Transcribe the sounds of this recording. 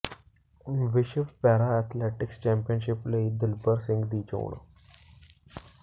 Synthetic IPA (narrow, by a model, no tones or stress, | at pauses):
ʋɪʃəʋpɛːɾaːɛːt̪ʰlɛːʈɪkst͡ʃɛ̃ːmpijənʃɪpləid̪ɪlbəɾsɪ̃ŋɡd̪iːt͡ʃo̰ːɳ